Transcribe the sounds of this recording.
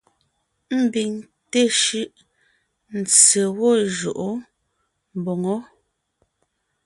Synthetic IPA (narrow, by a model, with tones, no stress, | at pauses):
m̩˦bi˨ŋ | te˦˨ʃʉ˦ʔ | n̩˨t͡se˨wɔ˦˨ʒo̰˨ʔo˦ | m˨bo˨ŋɔ˦